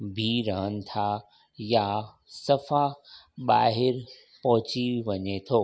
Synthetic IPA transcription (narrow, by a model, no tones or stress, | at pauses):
bʱiɾɐɦənɪ̆t̪ʰa | ja | sɐfa | ɓa̰ːɦɪɾ | pɐɦʊt͡ɕiʋɐɲet̪ʰoː